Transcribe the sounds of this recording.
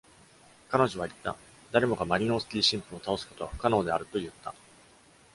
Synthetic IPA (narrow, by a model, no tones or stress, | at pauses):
kano̞ʑo̞β̞ait̪ːa̰ | d̪aɾʲe̞mo̞ɡamaɾʲino̞ːsɨ̥kʲiːɕĩmpɯ̟ot̪ao̞sɨ̥ko̞t̪o̞βaɸɯ̟̥kano̞ːd̪e̞aɾɯ̟t̪o̞jɯ̟t̪ːa